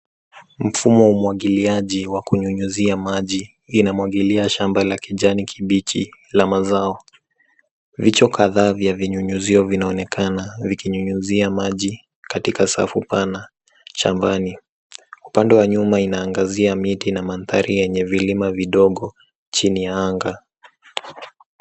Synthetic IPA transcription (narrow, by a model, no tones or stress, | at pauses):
m̩fumɔumwaɠiliaʄiwakuɲuɲuziamaʄiː | namwaɠiliaʃambalakiʄanikʰiɓit͡ʃilamazaɔ | vit͡ʃɔkaðaːvjaviɲuɲuziɔvinaɔnɛkʰanavikiɲuɲuziamaʄi | katikasa̰fupana | ʃa̰mbani | upandɛwaɲumainaːŋɡaziamitinamanθa̰ɾʔijɛɲɛvilimaviɗɔɠɔ | t͡ʃinijaaŋɡa